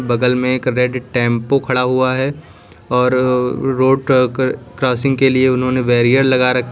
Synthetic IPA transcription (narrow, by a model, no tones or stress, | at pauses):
bɐɡəlmẽeːkɾɛɖʈɛ̃ːmpokʰɐɽaɦuaɦɛ | ɔːɾːoːɖkɾɔːsɪ̃ŋɡkelieʊnɦõneʋɛːɾijəɾlɐɡaɾɐkʰ